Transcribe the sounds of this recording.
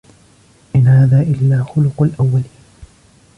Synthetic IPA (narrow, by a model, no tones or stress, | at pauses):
ʔɪnhaːðaːʔɪlːaːxʊlʊqalʔawːaliːn